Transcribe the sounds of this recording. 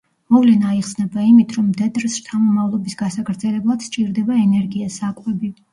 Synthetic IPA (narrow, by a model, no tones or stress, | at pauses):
mɔvlɛnaiχsnɛbaimit̪ʰɾɔmːd̪ɛd̪ɾɛst̪ʰamɔmavlˠɔbisɡasaɡɾd̪zɛlɛblˠad̪̥ʃt͡ʃʼiɾd̪ɛbaɛnɛɾɡiasakʼwɛbi